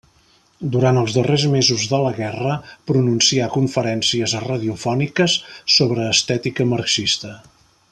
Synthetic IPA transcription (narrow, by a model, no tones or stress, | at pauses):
d̪uɾant̪əlˠzðərezmezuzðələɣɛrəpɾununsiakuɱfəɾɛnsiəzrəðiufɔnikəsːoβɾəːst̪ɛt̪ikəmərksist̪ə